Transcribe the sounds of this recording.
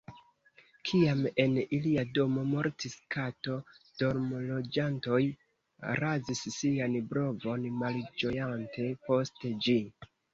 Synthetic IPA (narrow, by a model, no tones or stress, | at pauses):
kʰiame̞niliado̞mo̞mo̞ɾtiskato̞ | d̥o̞ɾmolo̞d͡ʒanto̞j | ɾazisːianbɾo̞vo̞nmald͡ʒo̞jante̞po̞sted͡ʒi